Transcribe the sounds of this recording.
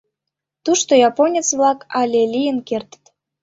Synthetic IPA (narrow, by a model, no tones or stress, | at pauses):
t̪uʃt̪ojɑponʲet͡sβlɑkɑlʲelʲijənkert̪ə̥t̪